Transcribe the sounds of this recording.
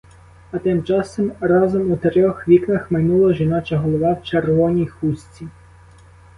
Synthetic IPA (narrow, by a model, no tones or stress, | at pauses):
ɐt̪ɪmt͡ʃɑsɔmɾɑzɔmut̪eɾʲɔxʋʲiknɐxmɐjnulˠɔʒinɑt͡ʃɐɦɔlˠɔʋɑwt͡ʃerʋɔnʲijxusʲt͡sʲi